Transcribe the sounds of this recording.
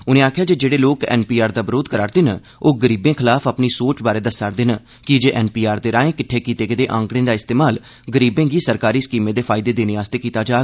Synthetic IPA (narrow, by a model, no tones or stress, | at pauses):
ʊnẽːaːkʰɪjaːd͡ʒeːd͡ʒeːɽeːloːkɛ̰ːnpiːaːɾd̪aːbəɾoːd̪kəɾaːɾtd̪enə | oːɡəɾiːbẽːkʰɪlaːpʰəpniːsoːt͡ʃbaːɾeːd̪əsaɾd̪eːnə | kɪd͡ʒeːʔɛːnpiːaːɾd̪eːɾãːẽːkɪʈʰːeːkiːt̪eːkɪd̪eːʔã̰ːŋkɽẽːd̪aːɪst̪eːmaːl | ɡəɾiːbẽːɡiːsəɾkaːɾiːsə̥kiːmẽːd̪eːpʰaːɪd̪eːd̪eːneːaːst̪eːkiːt̪aːd͡ʒaː